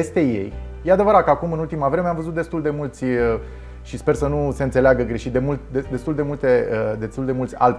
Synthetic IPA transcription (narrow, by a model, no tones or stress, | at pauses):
est̪e̞je̞̰jjead̪e̞vəɾat̪̚kakumɨnult̪imavɾe̞meamvəzut̪̚d̪e̞st̪uld̪e̞mult̪sʲə | ʃispe̞rsənuse̞ɨnt̪e̞leaɡəɡɾe̞ʃit̪̚d̪e̞mult̪d̪ed̪e̞st̪uld̪e̞mult̪e̞əd̪e̞st̪uld̪e̞mult̪ʲa̰l